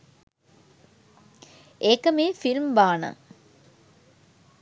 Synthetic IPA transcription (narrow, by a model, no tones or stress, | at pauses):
ʔeːkəmeːfilmbaːnə̰